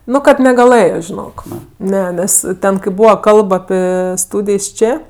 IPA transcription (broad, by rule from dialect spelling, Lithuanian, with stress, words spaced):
ˈnʊ kɐt nʲɛɡɐˈlˠɘjoː ʒʲɪˈnoːk ˈnʲɛ ˈnʲɛs ˈtʲɛn kɐɪ ˈbuːʋɐ ˈkɐlˠp ɐˈpʲɪ ˈstuːdʲɪjs ˈt͡ʃʲeː